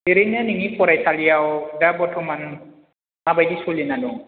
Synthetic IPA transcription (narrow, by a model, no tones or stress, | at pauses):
eɾenaniŋipʰɔɾajsalijawdapɔtʰɔman | mabajdisulinanɔ